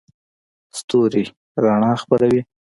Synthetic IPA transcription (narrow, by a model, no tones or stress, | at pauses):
st̪oɾi | ɾɑɳɑxpaɾawi